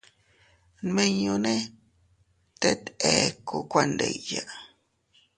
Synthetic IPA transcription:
nmẽ˦ɲũ˧nẽ˦ | t̪e˦t̪e˨ku˧˨kʷa˦nd̪ḛ˨jja˨ʔ

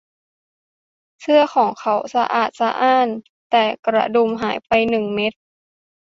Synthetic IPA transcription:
sʰɯ˧ɐxʰɔː˩˦ŋkʰa˧˩wsa˧ʔa̰ː˨˩t̪̚sa˧ʔaː˧˥˩n | t̪ɛː˨˩kɾa̰˧do˧˩mɦaː˩˦jpa˧jnɯ˨˩ŋme˧˦˥t̪̚

